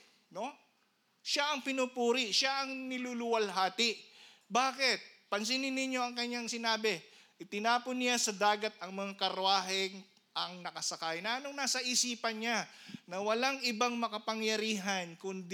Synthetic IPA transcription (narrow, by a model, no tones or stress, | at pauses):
no̞ | ʃaʔɐŋpɪnupuːɾɪʃaʔɐŋnɪlulʊwɐlɦaːt̪ɪʔ | baːkɪt̪̚pɐns̬ɪnɪnɪɲːo̞ɐŋkɐɲːaŋsɪnaːbɪʔɪt̪ɪnaːponːɪjasɐd̪aːɡɐt̪̚ɐŋmɐŋakɐɾʊaːɦɪŋ | ʔɐŋnɐkɐsɐkajnɐʔɐnoŋnaːsɐʔisiːpɐnɲanɐwɐlaŋʔɪbaŋmɐkɐpɐŋjɐɾiːɦɐnkʊnd̪